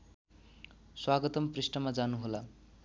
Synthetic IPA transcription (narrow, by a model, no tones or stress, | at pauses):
swaɡʌt̪ʌmprisʈʌmad͡zanuɦola